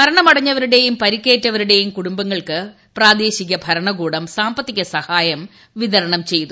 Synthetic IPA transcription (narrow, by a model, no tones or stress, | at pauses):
mɐɾɐɳɐmɐɽɐɲːɐʋɐɾuɽe̞jumpɐɾikːe̞ːtːɐʋɐɾuɽe̞jumkuɽumbɐŋːɐɭkɨ | praːd̪eːɕiɣɐbʱɐɾɐɳɐɡuːɽɐmsaːmbɐt̪ːiɣʲɐsɐhaːjɐm | ʋiðɐɾɐɳɐmt͡ɕe̞jt̪u